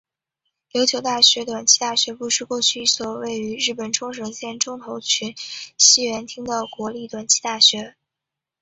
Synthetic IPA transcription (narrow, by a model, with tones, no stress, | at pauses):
ljo˧˥ʊt͡ɕʰjo˧˥ʊt̪a˥˩ɕɥɛ˧˥t̪wa˨˩nt͡ɕʰi̥˥t̪a˥˩ɕɥɛ˧˥pu˥˧ʂɻ̩˥˧kwɔ˥˧t͡ɕʰy˥˧i˥˩swɔ˨˩we˥˩ɪy˧˥ɻɻ̩˥˩pə˨˩nʈ͡ʂʰʊ˥ŋʂ̬ɤ˧˥ŋɕjɛ˥˩nʈ͡ʂʊ˥ŋt̪ʰo˧˥ʊt͡ɕʰy˧˥nɕi˥ɥɛ˧˥nt̪ʰi˥ŋd̪ə˨kwɔ˧˥li˥˩t̪wa˨˩nt͡ɕʰi̥˥t̪a˥˩ɕɥɛ˧˥